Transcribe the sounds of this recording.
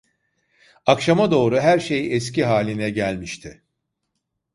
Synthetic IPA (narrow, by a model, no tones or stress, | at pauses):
akʃamad̪o̞ːɾuɦæɾʃe̞jɛsciɦaːlʲinɛɟælʲmiʃt̪ʰɪ